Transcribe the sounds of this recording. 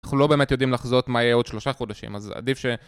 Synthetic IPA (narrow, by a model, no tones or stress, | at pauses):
aχnulo̞be̞ːmet̪jo̞d̪imlaχzot̪majɛo̞d̪ʃlo̞ʃaχod̪aʃḭma̰za̰d̪ifʃe̞